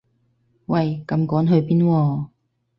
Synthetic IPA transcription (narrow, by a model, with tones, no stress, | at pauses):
wɐ˨jkɐ˧mkɔː˨˥nɦɵ˧ɥpiː˥nwɔː˧